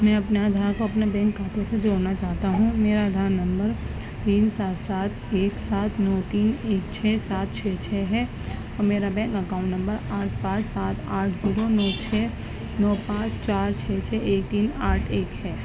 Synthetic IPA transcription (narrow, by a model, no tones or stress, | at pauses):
mɛ̃ɐpneaːd̪ʱaːɾkoɐpnabɛ̃ːŋkːaːt̪osed͡ʒoːɾnat͡ʃaːɦt̪aɦũmeːɾaːd̪ʱaːɾnɐ̃mbəɾ | t̪iːnsaːt̪saːt̪ʰeːksaːt̪ʰnɔːt̪iːneːkt͡ʃʰɛːsaːt̪̚t͡ʃʰɛːt͡ʃʰɛɦɛ | ɔːɾmeːɾabɛ̃ːŋkɐkãːʊ̃ɳʈnɐ̃mbəɾaːʈʰpaːt͡ʃsaːt̪ʰaːʈʰd͡ʒiːɾonɔːt͡ʃʰɛː | nɔːpãːt͡ʃʰt͡ʃaːɾt͡ʃʰɛːt͡ʃʰɛeːk̚t̪iːnaːʈʰeːkɦɛː